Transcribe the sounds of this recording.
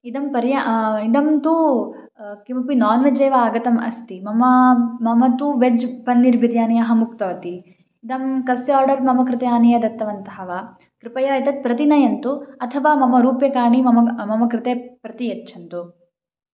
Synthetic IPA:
id̪ɐmpɐɾjaid̪ɐmt̪u | kimɐpinɔːnʋed͡ʒeːʋɐaːɡɐt̪ɐmɐ̰st̪imɐmɐmɐmɐt̪uʋed͡ʒpɐnːiɾbʱiɾjaːnɐjɐɦɐmukt̪ɐʋɐt̪i | id̪ɐmkɐsaːɾɖɐɾmɐmɐkɾɪt̪ejaːnɐjɐd̪ɐt̪ːɐʋɐnt̪ɐɦɐʋa | kɾɪpɐjɐit̪ɐt̪̚pɾɐt̪inɐjɐnt̪uɐt̪ʰɐʋaːmɐmɐɾuːpjɐkaːɳimɐmɐmɐmɐkɾɪt̪eːpɾɐt̪ijɐtːt͡ʃʰɐnt̪u

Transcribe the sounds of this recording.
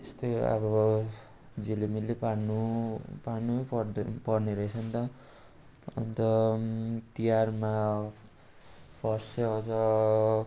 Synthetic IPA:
t̪est̪oʌ̰βʌ | d͡zilimilːepanupanuʌpʌpʌrneɾʌet͡sʰʌnt̪ʌ | ʌ̰nt̪ʌ | t̪ijarma | pʌrsʌʌwt͡sʌ

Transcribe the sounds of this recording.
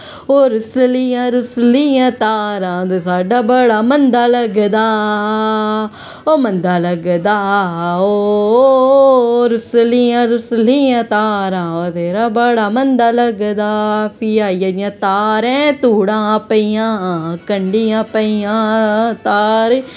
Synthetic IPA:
oːɾɪsliãːɾʊsliãːt̪aːɾãːd̪esaːɖaːbəɽaːmənd̪aːləɡd̪aː | oːmənd̪aːləɡd̪aːoː | ɾɪsliːãːɾʊsliːãːt̪aːɾãːod̪eːɾaːbəɽaːmənd̪aːləɡd̪aːpʰiːaːiːjaːd͡ʒɪjãːt̪aːɾɛ̃ːt̪uːɽãːpəijãːkəɳɖiːãːpəijãːt̪aːɾe

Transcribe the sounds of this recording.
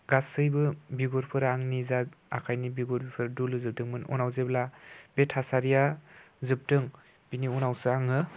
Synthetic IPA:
ɡasɯjbɯbiɡɔɾpʰɯɾaŋnizaa̰kʰajnibiɡɔɾbipʰɯɾdulɯzɯp̚dɯŋmɯnɔ̰nawzeblab̥etʰasaɾija | zɯp̚dɯŋ | b̥iniunawsɯaŋɯ

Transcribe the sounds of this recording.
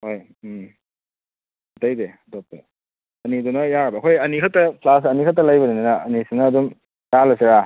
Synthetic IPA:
hoj | ɐtajde | dɔp̚tḛ | ɐnidunɐjaɾbɐːkʰojɐnikʰatɐpʰlas̬ɐnikʰatːɐlajbɐninanɐɐnisenɐːdum | jalɐseɾa

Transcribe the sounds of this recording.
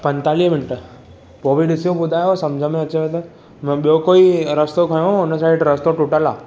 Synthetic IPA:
pənt̪alimɪɳʈ | poːʋiɖɪsijobʊd̪ʱajosɐmd͡ʒʱəmẽət͡ʃeʋet̪ə | mɓjokoiɾəst̪okʰəjõʊnəsaiʈɾəst̪oʈuʈala̰ː

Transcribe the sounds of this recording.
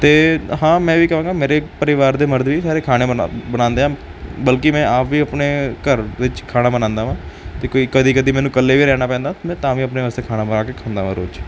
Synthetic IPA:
t̪eːɦãːmɛ̃ːʋiːkəʋãːŋɡaːmeːɾeːpəɾɪʋaːɾd̪eːməɾd̪ʋiːsaːɾeːkʰaːɽ̃eːbənãːnd̪eːãːbəlkɪmɛ̃ːʔaːpʋiːəpneːkəɾʋɪt͡ʃkʰaːnaːbənãːnd̪aːʋãːt̪eːkoikəd̪iːkəd̪iːmɛ̃ːnũːkəlːeːʋiːɾɛːnaːpɛ̃ːnd̪aːt̪ːmɛ̃ːt̪ãːʋiːəpneːʋaːst̪eːkʰaːnaːbənaːkeːkʰãːnd̪aːʋãːɾo̰ːd͡ʒ

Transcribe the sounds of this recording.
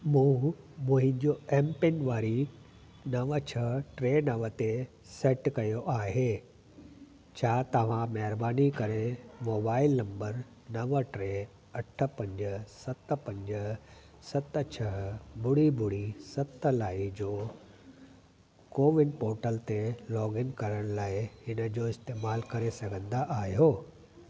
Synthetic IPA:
mũː | mũɦɪ̃ɲd͡ʑoːʔeːmpɪnʋaːɾi | nɐʋət͡ɕʰɐʈɾeːnɐʋət̪e | seːʈkɐjoʔaːɦeː | t͡ɕʰaːt̪ɐʋ̤ãmɐɦɪɾbaːnikɐɾemoːbaːɪlnɐ̃mbəɾ | nɐʋəʈɾe | ɐʈʰə̆pɐ̃ɲd͡ʑəsɐt̪ə̆pɐ̃ɲd͡ʑə | sɐt̪t͡ɕʰɐɦbʊɽibʊɽisɐt̪əlaːid͡ʑoː | koːʋɪnpoːɾʈəlt̪elɔːɡɪnkɐɾəɽ̃laːɪhɪnə̆d͡ʑoːɪst̪eːmaːlkɐɾesɐɡʱə̃nd̪aʔaːɦijoː

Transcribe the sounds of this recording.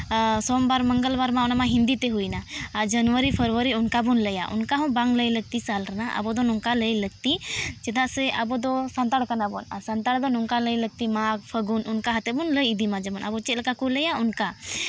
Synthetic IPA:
sɔmbaɾməŋɡəlbaɾmaɔnamaɦĩnd̪it̪ɛɦujnaːd͡ʒənwəɾipʰəɾwəɾiunkabunləjaʔṵnkaɦɔ̃w̃baŋləjləɡ̚t̪isalɾanaʔa̰bɔd̪ɔnɔŋkaləjləɡ̚t̪id͡ʒɛd̪aʔsɛʔabɔd̪ɔsant̪aɽkanabɔna̰ɾsant̪aɽd̪ɔnɔŋkaləjləɡ̚t̪imaɡ̚pʰəɡununkaɦat̪ɛbunləjid̪imad͡ʒɛmɔnʔa̰bɔt͡ʃɛt̪̚lɛkakuləjaunka

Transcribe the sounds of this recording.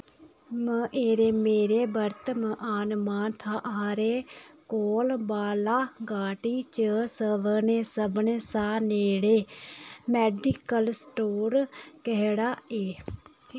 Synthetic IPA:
mə̃ʔeːɾeːmeːɾeːbəɾt̪məʔaːnmaːnt̪ʰaːʔɦaːɾeːkoːlbaːlaːɡaːʈiːt͡ʃəsəʋəneːsəbɳeːsaːneːɽeːmɛːɖɪkəlsʈoːɾkɛɦɽaːeː

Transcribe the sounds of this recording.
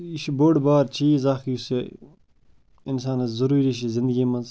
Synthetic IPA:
iʃiboːɽbaːɾt͡ʃʰiːzaːxjuse | insaːnɐzɐɾuːɾiʃizɪ̃nd̪əɡʲiːmɐz

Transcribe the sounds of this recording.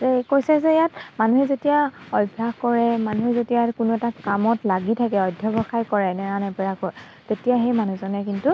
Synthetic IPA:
zɛkojsɛzɛjatmanuɦɛzetijaɔjbʱaɡkɔɹɛmanuɦɛzetijakʊnuɛtakamɔtlaɡitʰakɛɔjdʱjɔbɔxajkɔɹɛnɛɹanɛpɛɹakɔɹ | tetijaxejmanuzɔnɛkintu

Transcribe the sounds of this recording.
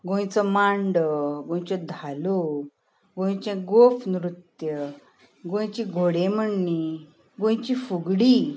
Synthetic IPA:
ɡõj̃t͡sɔmaɳɖəɡõj̃t͡ɕɔd̪ʱalo | ɡõj̃t͡ɕẽɡofnɾut̪jə | ɡõjt͡ɕiɡʱoɽẽməɳːi | ɡõj̃t͡ɕifuɡɽi

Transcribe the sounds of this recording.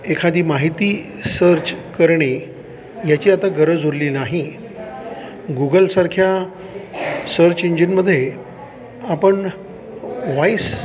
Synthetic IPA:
ekʰad̪iːmaɦit̪iː | səɾt͡ɕkəɾɳe | jat͡ɕiːat̪aɡəɾəd͡zʱuɾliːnaɦi | ɡuɡəlsaɾkʰja | səɾt͡ɕeɲd͡ʑinməd̪ʱːje | apəɳ | ʋajs

